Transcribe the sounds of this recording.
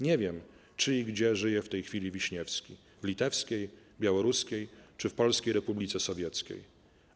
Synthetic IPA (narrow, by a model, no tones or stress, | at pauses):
ɲevʲjɛm | t͡ʂɘiɡd͡ʑɛʐɘjɛft̪ɛjxfʲilʲivʲiɕɲɛfskʲi | vlʲit̪ɛfskʲej | bʲjawɔɾuskʲejt͡ʂɘfpɔlskʲejɾɛpublʲit̪sɛsɔvʲjɛt̪skʲḛj